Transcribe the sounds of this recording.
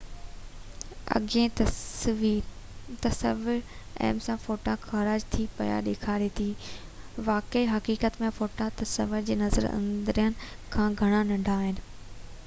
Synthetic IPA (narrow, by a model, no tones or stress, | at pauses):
ɐ̰ɠẽ | iːɾt̪ɐsəʋɪɾɛ̰ːmsãfoːʈãxɐɾaːd͡ʑt̪ʰipɐ̰ja̰ɗeːkʰaːɾet̪ʰiːʋaːkeiɦɐkiːkət̪mẽfoːʈãt̪ɐsəʋɪɾd͡ʑeːnɐzə̰ɾɐ̰̃nd̪ɪɾijəñɪ̆kʰãːɡʱɐɽ̃ãnɐ̃ɳɖʱaːɦɪnɪ̆